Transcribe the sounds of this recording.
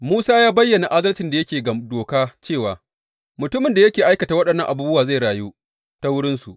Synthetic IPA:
muː˦saː˦jaː˦bɐ˦jːɐ˨na˨ʔa˦dɐ˦lt͡ʃɪ˨nda˨jɐ˦kʲeː˨ɡdoː˨kaː˦t͡ʃeː˦˨waː˨ | mʊ˨tʊ˦mɪ˨nda˨jɐ˦kʲeː˨ʔa˦jkɐ˨taː˨wɐ˦ɗɐ˨nːɐ˦ŋʔa˨buː˦bʊ˦waː˨za˦˨jɽaː˨juː˦ | ta˦wʊ˦ɽɪ˦nsu˨ʔ

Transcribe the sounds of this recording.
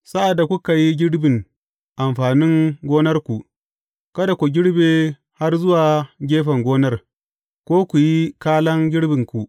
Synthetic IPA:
sa˦ʔa˨dːa˨kʷu˦ka˨ji˦ɡʲɪ˦ɽbɪ˨ŋ | ʔa˨mɸaː˨nɪ˦ŋɡʷoː˦nɐ˦rkʷu˨ | kɐ˦da˨kʷu˨ɡʲɪ˦ɽbeː˨ | ha˦rzʊ˦waː˨ɡʲeː˦ɸɐ˨ŋɡʷoː˦nɐ˦r | kʷoː˦kʷu˨ji˦kaː˦lɐ˦ŋɡʲɪ˦ɽbɪ˨ŋkʷu˨ʔ

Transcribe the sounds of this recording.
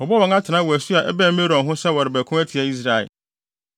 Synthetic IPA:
ɔ˨bɔ˦wɔ̃˨ŋã˦tʰɪ˨nã˦wɔ˨æ˨su˦a˨ʔɛ̰˦bæ̃˦m˦me˦ɾɔ̃˨nɦʊ̃˦sɛ˦wɔ˨ɾɪ˨bæ˨kʰʊ̃˦æ˦tʰi˨a˨i˦s̬ɾa˨ɛ̰˨

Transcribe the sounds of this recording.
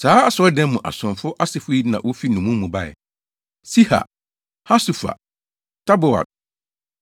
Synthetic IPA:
saː˨˦a˦sɔ˦dɛ̃˦mmũ˨ʔa̰˨sʊ̃˨nfʊ˦ʔa˦sɪ˨fʊ˦ji˦nã̰˨wʔo˦fi˦nũ˨mũ˦mũ˨ba˦˨ɛ̰˨ | si˦ha̰˨ | ha˦su˨fa̰˨ | tʰa˦bʊ˨a̰˨

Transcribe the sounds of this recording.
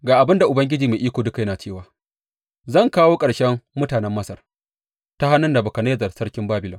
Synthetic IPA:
ɡaː˨ʔa˨bɪ˦nda˨ʔʊ˨bɐ˦ŋɡʲɪ˦d͡ʒiː˨maː˨ʔiː˦kʷoː˨dʊ˦ka˨jɐ˦naː˨t͡ʃeː˦˨waː˨ | zɐ˦˨ŋkaː˦woː˦kʼɐ˨ɽʃɛ˦mːʊ˦taː˨nɛ˦mːɐ˦sɐ˨r | ta˦ha˦nʊ˦nda˨bʊ˨kɐ˨neː˦zɐ˨rsɐ˦rkʲɪ˦mbaː˦bɪ˨lɔ˨m

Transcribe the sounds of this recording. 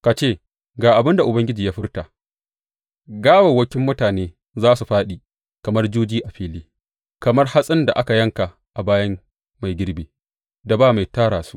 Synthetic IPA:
ka˨t͡ʃeː˦˨ | ɡaː˨ʔa˨bɪ˦nda˨ʔʊ˨bɐ˦ŋɡʲɪ˦d͡ʒiː˨jaː˦ɸɪ˦rta˨ʔ | ɡaː˦wɐ˨wɐ˦kʲɪ˦mːʊ˦taː˨neː˦ | zaː˦su˨ɸaː˦ɗiː˨ | kɐ˨mɐ˦rd͡ʒuː˦d͡ʒiː˦ʔa˨ɸiː˦liː˦ | kɐ˨mɐ˦rha˦sʼɪ˦nda˨ʔa˦ka˨jɐ˦ŋka˨ | ʔa˨baː˦jɐ˦m | ma˨jɡʲɪ˦ɽbeː˨ | da˨baː˦˨ma˨jtaː˦ɽaː˨su̥˦ʔ

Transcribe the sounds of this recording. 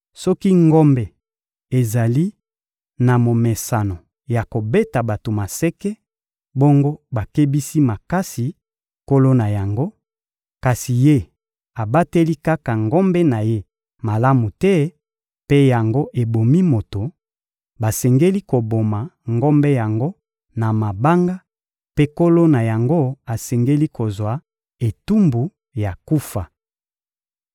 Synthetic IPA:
sɔ˦ki˦ŋɡɔ˦mbɛ˨ | e˨za˨li˦ | na˨mo˨me˨sa˨no˨ | ja˨ko˨be˦ta˨ba˨to˨ma˨sɛ˦kɛ˦ | bo˦ŋɡo˦ba˨ke˦bi˦si˦ma˨ka˦si˨ | ko˦lo˦na˨ja˨ŋɡo˦ | ka˨si˨je˦ | a˨ba˦te˦li˦ka˦ka˨ŋɡɔ˦mbɛ˦na˨je˦ | ma˨la˦mu˨tɛ˦ | pe˦ja˨ŋɡo˦ʔe˨bo˨mi˦mo˨to˨ | ba˨sɛ˨ŋɡe˦li˦ko˨bo˨ma˨ŋɡo˦mbɛ˦ja˨ŋɡo˦ | na˨ma˨ba˦ŋɡa˦ | pe˦ko˦lo˦na˨ja˨ŋɡo˦a˨sɛ˨ŋɡe˦li˦ko˨zwa˨ | e˨tu˦mbu˨ | ja˨ku˦fa˨

